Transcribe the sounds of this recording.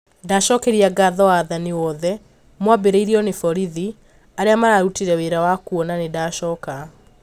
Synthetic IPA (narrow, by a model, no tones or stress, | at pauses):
daʃɔkɛɾiaɡaðɔaːðaniwɔðɛ | mwabeɾeiɾiɔnefɔɾiði | aɾeamaɾaːɾutiɾɛweɾawakuɔnanedaʃɔːka